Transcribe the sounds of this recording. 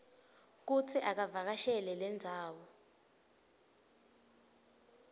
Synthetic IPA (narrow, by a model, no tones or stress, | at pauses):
k̬ut͡sʰɛʔak̬avak̬aʃɛlɛlɛnd͡zʱaːwɔ